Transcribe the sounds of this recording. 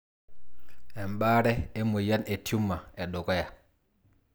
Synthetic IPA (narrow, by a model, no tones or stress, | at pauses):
ʔɛmbaɾɛɛmɔjanɛtʰumːaɛɗɔɡɔja